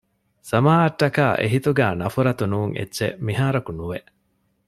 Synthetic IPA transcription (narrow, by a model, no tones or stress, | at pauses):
sɐmaːʔɐʈːɐkaːʔḛɦit̪uɡæːnɐfuɾɐt̪unuːŋʔḛtːʃḛmiɦaːɾɐkunuʋeʔ